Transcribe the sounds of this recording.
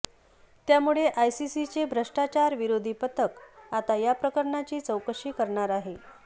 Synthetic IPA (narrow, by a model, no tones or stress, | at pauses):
t̪jamuɭeʔajsisit͡sebʱɾəʂʈat͡ɕaɾʋiɾod̪ʱipət̪ʰəkat̪ajapɾəkəɾɳat͡ɕiːt͡səwkʂiːkəɾɳaɾaɦe